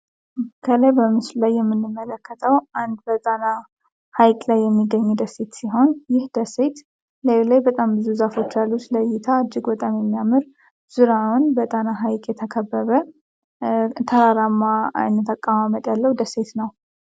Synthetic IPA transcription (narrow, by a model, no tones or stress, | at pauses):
kʰələjbəmɨslulajːɛmːɨnːɨmːələkʰːət̪ʰʼəwʔand̪bət̪ʼana | hajkʼlajːɛmːiɡəɲːud̪əset̪siɦo̞njɪhd̪əset̪ | ləlajbət̪ʼambɨzuzafo̞t͡ʃːjalːut͡ʃ̪ləjːɪt̪ʰad͡ʒːɪɡbət̪ʼamjɛmːijamɨɾ | z̥uɾawunbət̪ʼanaɦajkʼjɛt̪ʰəkʰəbːəβə | t̪ʰəɾaɾamːa̰nːt̪ʰakʼːamamət̪ʼjalːəhud̪əset̪nəw